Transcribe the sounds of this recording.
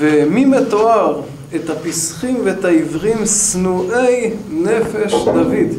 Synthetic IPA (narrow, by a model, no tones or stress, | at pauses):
vemimet̪oaʁ | et̪hapisχimveet̪aivʁimsnuʔejnefe̞ʃd̪avid̪